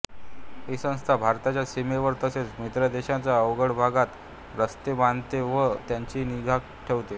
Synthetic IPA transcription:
ɦisə̃w̃st̪ʰabʱaɾt̪at͡ɕjasimeʋəɾt̪əset͡smit̪ɾəd̪eɕat͡saəʋɡəɽbʱaɡat̪ | ɾəst̪ebant̪eʋət̪jaɲt͡ɕiːniɡʱak | ʈʰeʋt̪e

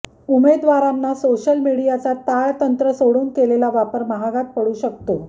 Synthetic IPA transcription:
umed̪ʋaɾanːasoɕəlmiɽijat͡sat̪aɭt̪ənt̪ɾəsoɽuːnkelelaʋapəɾməɦaɡat̪̚pəɽuːɕək̚t̪o

